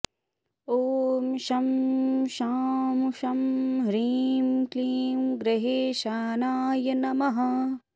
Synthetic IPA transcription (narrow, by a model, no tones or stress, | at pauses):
oːmʃɐmʃaːmuʃɐmɾiːmkliːmɡɾeɦeːʃaːnaːjɐnɐmɐɦɐ